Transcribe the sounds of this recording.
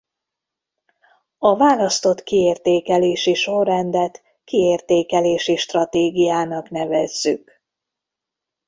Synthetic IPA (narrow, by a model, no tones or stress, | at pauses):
ɒvaːlɒst̪o̞t̪kieːrt̪eːkɛleːʃiʃo̞rːɛnd̪ɛt̪ | kieːrt̪eːkɛleːʃiʃt̪rɒt̪eːɡijaːnɒknɛvɛzːyk